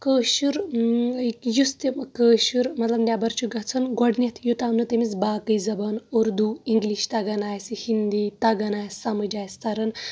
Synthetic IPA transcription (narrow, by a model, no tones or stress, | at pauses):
kəːʃuɾ | kjust̪ekəːʃuɾmɐt̪lɐbnʲabɐɾt͡ʃʰuɡɐt͡sʰɐnɡɔɽnʲit̪ʰjut̪aːmnɨt̪emit͡sbaːkɨjzɐbɐnoɾd̪uːiŋɡliʃt̪ɐɡɐnaːjsihind̪iːt̪ɐɡɐnaːjssɐmɐd͡ʒaːjst̪ʰɐɾɐn